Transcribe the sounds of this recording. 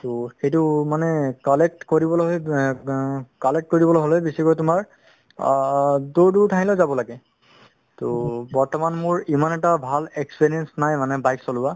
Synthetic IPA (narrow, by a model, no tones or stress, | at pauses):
toxejtʊmanɛkɔlɛk̚tkoɹibɔlɔɦoj | kɔlek̚t̚koɹibɔloɦolebisɛkojtʊmaɹ | duɹduɹtʰaɦilɛzabɔlaɡɛ | tobɔɹtɔmanmʊɹimanɛtabʱalekspiɹijɛnsnajmanɛbajksolʊba